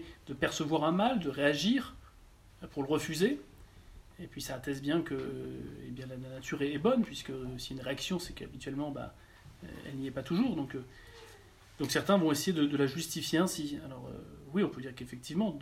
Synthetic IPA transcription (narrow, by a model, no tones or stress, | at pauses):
d̪̥əpɛʁsəvwaʁɛ̃mald̪əʁeaʒiʁ | puʁləʁəfyze | epɥisaːt̪ɛsbjɛ̃kəḛbjɛ̃lananat̪ʰyʁɛːbɔnpɥiskəsiynʁeaksjɔ̃sɛka̰bit̪ɥɛlmɑ̃ba̰ | ɛ̰lniɛpat̪uʒuːʁd̪ɔ̃kø | d̪̥ɔ̃ksɛʁt̪ɛ̃vɔ̃esejed̪əd̪əlaʒyst̪ifjeɛ̃sialɔʁø̰wiɔ̃pød̪iʁkefɛk̚t̪ʰivmɑ̃